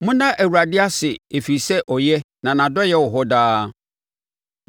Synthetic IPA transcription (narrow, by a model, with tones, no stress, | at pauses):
mʊ̃˦nã˦ʔæ˨wu˨ɾa˨dɪ˦a˦sɪ˨e˨fi˨sɛ˦ʔɔ˨jɛ˦ | nã˨nã˨dɔ˦jɛ˦wɔ˨ɦɔ˦daː˦